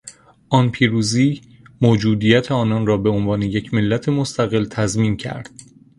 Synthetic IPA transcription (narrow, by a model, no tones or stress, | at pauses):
ʔɒnpʰiːɾuːziː | moːd͡ʒuːd̪ijæt̪ʰeɒːnɒnrɒːbe̞onvɒːne̞je̞cʰme̞lːæt̪ʰe̞most̪ʰæɣe̞lt̪ʰæzmiːncʰæ̰ɾd̪̥̚